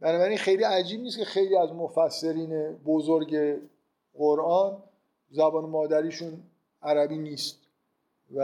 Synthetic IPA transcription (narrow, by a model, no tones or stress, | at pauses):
b̥ænɒːbæɾinxe̞jliːæd͡ʒiːb̚niːst̪cʰexejliːæzmofæsːe̞ɾiːnebozoɾɟe̞ | ɣoɾʔɒːn | zæbɒːnemɒːd̪æɾiːʃuːn | æɾæbiːniːst̪̚ | væ